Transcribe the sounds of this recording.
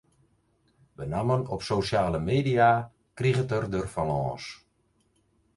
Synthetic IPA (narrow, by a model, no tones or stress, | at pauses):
ʋənamənɔpsoːsjaːləmeːdia | kriɣətərdərfalɔ̰̃ːs